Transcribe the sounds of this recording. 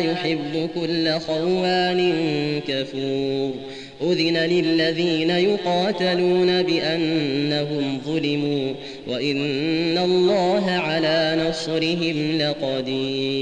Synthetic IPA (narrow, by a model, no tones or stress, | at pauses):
jʊħɪbːʊkʊlːaxawːaːnɪnkafuːɾ | ʔʊðɪnalɪlːaðiːnajʊqɑːt̪aluːnabɪʔanːaɦʊmðˤʊlɪmuː | wʔaʔɪnːalˤːɑːɦaʕalaːnɑsˤɾɪɦɪmlɪqɑd̪iː